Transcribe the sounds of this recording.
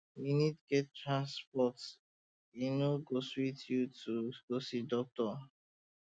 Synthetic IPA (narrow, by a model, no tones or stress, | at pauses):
winidɡɛttɾãnspɔt | inoɡosuitʰjutuɡ̥osidɔk̚tɔ